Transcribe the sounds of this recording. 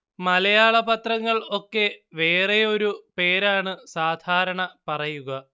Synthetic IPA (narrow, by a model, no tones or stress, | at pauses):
mɐlɐjaːɭɐbɐt̪rɐŋːɐɭo̞kːe̞ʋe̞ːreo̞ɾupe̞ːɾaːɳɨsaːd̪ʱaːɾɐɳɐpɐrɐjuɣɐ